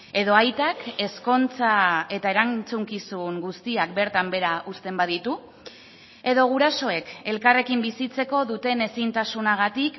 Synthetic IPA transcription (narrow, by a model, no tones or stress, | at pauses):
e̞ðo̞ajt̪ake̞sko̞nt͡sae̞t̪ae̞ɾat͡suŋkisuŋɡust̪iak̚be̞ɾt̪ambe̞ɾaust̪e̞mbað̞it̪u | e̞ðo̞ɣ̞uɾaso̞e̞ke̞lkare̞kimbisit͡se̞ko̞ðut̪e̞ne̞sint̪asunaɣ̞at̪ik